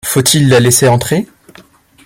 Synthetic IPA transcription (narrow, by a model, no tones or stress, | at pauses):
fot̪ʰilːaleseɑ̃t̪χe